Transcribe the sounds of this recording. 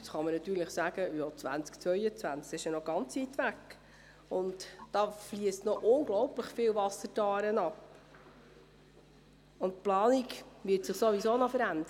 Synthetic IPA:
sχɑmənɑt̪yːɾləχsæːɡ̥əjoːt͡sʋæ̰nt͡skt͡sʋœʏət͡sʋænt͡skɪʃənɔɡ̥ɑnt͡siːt̪ʋækː | ʊntd̥ɑːfliəstnɔʔʊnɡlɔʊpləχfɪlvɑsətɑːɾənɑp | ʊntplɑːnikʋɪtsɪχsoʋisoːnɔfəɾænd̪əɾə

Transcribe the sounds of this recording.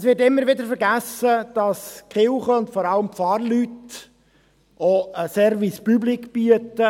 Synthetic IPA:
ɛsʋɪːtɪmːəɾʋɪd̪əɾfəɾɡæsəd̥ɑskχɪlχəʊntfɔɾɑləmpfɑːɾlyt | oəsɛɾvispyblikbyətə

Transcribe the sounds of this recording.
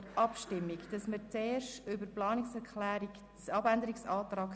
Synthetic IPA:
ʔɑpʃtɪmːikd̥ɑsmət͡seːɾʃtʏbəɾplɑːnɪksɛɾkʰlæːɾik | t͡sɑbænd̪əɾiksɑːtɾɑːk

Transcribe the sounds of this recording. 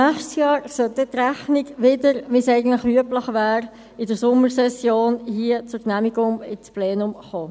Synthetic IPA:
næːχʃtsjɑːɾsœlt̚dɛt̪ræχnɪɡʋɪdəɾʋisæɪɡən̩tləχyəpləχʋæːɾ | ɪdəɾsʊmːəɾsɛsjoːnhiːət͡sʊɾknæmiɡʊŋɪsplɛːnʊmχoː

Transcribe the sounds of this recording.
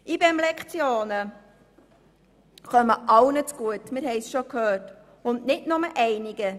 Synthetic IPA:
ʔibɛmlɛkt͡sjoːnə | χœməʔɑʊnət͡sɡ̥uətmɪɾɦɛɪsʃokʰhøːt | ʊndnɪdnʊməʔɛɪnɪɡə

